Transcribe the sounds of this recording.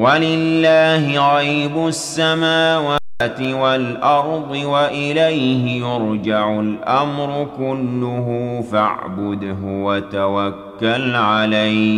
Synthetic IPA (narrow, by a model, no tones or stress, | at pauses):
walɪlːaːhɪɣajbʊsːamaːwaːt̪ɪwalʔɑɾˤd̪ˤɨwaʔɪlajhɪjʊɾd͡ʒaʕʊlʔamɾˤʊkʊlːʊɦʊfa̰ʕbʊd̪ɦʊwat̪awakːalʕalaj